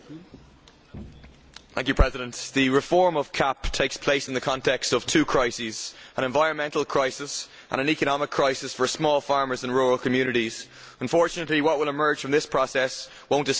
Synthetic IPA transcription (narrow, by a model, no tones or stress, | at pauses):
θæ̃ŋkjʉpʰɹ̥ɛzɪɾə̃nt̪ðəɹɪfɔɹməv̥kʰaptʰeɪkspʰl̥eɪsɪ̃n̩ðəkʰɑ̃ntʰɛkstʌv̥tʰʉːkʰɹ̥aɪsizʔə̃ɾ̃ɛ̃ɱvaɪɹə̃nmɛ̃ntˡl̩ˠkʰɹ̥aɪsɪs | ʔə̰̃ñə̃nikənɑmɪkʰːɹ̥aɪsɪsfə˞smɔːlˠfɑɹmə˞zə̃nɹuːɹəlˠkʰəmjʉːnɨɾiz̥ | ə̃nfɔɹt͡ʃɨnəʔˡliwʌʔ̚wɪlɪmɜ˞d̥d͡ʒʒ̥fɹ̃mðɪspʰɹ̥ɔsɛs | wõʊ̃ntɪ